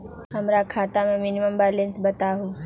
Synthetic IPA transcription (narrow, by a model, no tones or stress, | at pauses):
ɦəmɾakʰaːt̪amẽmɪniməmbaːlensbət̪aɦoː